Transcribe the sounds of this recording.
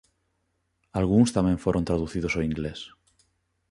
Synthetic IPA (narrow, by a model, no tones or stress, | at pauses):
alɣ̞uŋst̪amjẽɱfweɾʔont̪ɾaðuθiðosoiŋɡles